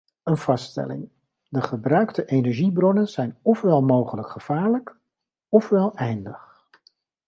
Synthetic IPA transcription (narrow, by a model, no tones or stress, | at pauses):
ənv̥ɑstɛ̰lɪ̰ŋ | dəχəbrœɥktəʔejnɛɹʒibrɔnənzɛjnɔfʋɛlˠmowχələkχəv̥aːɹlək | ɔfʋɛlˠɛjndəχ